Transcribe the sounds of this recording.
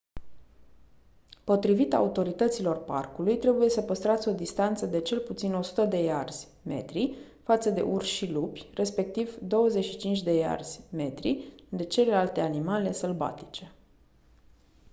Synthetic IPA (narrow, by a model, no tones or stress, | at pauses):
po̞t̪ɾivit̪a̰ut̪o̞ɾit̪ət̪silo̞rpa̰rkulujt̪ɾe̞buje̞səpəst̪ɾat̪sʲo̞d̪ist̪ant̪səd̪e̞t͡ʃe̞lput̪sino̞su̥t̪əd̪e̞jarz̥ʲ | me̞̰t̪ɾi | fat̪səd̪e̞̰ʔurʃilupʲre̞spe̞k̚t̪ivd̪o̞wəzeʃit͡ʃint͡ʃʲd̪e̞ja̰rz̥ʲme̞t̪ɾḭd̪e̞t͡ʃe̞le̞lalt̪e̞animale̞səlba̰t̪i̥t͡ʃe̞